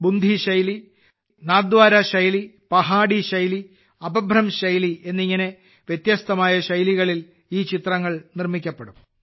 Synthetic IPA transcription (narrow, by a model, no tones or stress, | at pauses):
bund̪ʱiɕɐjli | naːd̪ʋwaːɾɐɕɐjli | pɐɦaːɽiɕɐjli | ɐbɐbʱɾɐmɕɐjlie̞nːiŋːɐne̞ | ʋjet̪jɐst̪ɐmaːjɐɕɐjliɣɐɭil | iːt͡ɕit̪rɐŋːɐɭnirmikʲːɐpːeɽum